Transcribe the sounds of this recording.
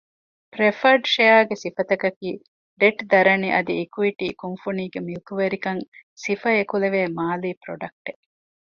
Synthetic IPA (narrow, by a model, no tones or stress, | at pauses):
pɾefɐɾɖʃejaːɡesifɐt̪ɐkɐkiː | ɖeʈd̪ɐɾɐniʔɐd̪iikuiʈiːkunfuniːɡemilkuʋeɾikɐŋsifɐekuleʋeːmaːliːpɾoɖɐk̚ʈe